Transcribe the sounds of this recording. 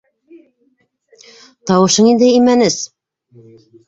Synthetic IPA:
t̪ɑwɤ̆ʃɤɴind̪ɘimænɘs

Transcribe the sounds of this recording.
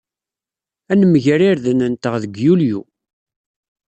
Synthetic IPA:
ænəməʝɾiɾðənənt̪əʁðəɡjuljṵ

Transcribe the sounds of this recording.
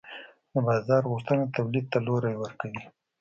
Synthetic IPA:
d̪əbɑzɑɾɣuʂt̪ənat̪awlid̪̚t̪aloɾajwəɾkawi

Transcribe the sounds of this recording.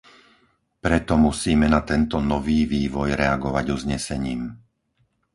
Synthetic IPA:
pɾɛt̪ɔmusiːmɛnat̪ɛnt̪ɔnɔʋiːʋiːʋɔjɾɛaɡɔʋaɟuzɲɛsɛɲiːm

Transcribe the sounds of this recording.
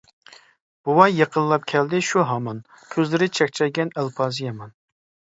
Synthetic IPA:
b̥uwɑjeqʰənlˠɑp̚kʲʰɛld̪ɪʃuɦɑmɑn | kʲʰøzlɪɾɪt͡ʃʰɛkʲt͡ʃʰɛjɡʲɛnælˠpʰɑːzɨjɑmɑn

